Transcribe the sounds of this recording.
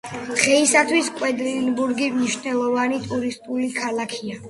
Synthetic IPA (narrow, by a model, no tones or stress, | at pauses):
d̪̥ʁɛisat̪ʰwiskʼwɛd̪ɾnbuɾɡimniʃnɛlˠɔvanit̪ʼuɾist̪ʼulikʰalakʰia